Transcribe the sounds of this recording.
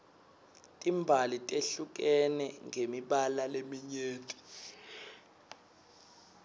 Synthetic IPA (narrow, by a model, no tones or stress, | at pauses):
tʼimbʱalitʼeɬuk̬ʼɛnɛŋemiɓalalemiɲeːtʼi̥